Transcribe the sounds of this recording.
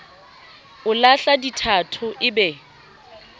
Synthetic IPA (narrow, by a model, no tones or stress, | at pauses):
ʊlaɬaditʰatʰʊʔɪbɛ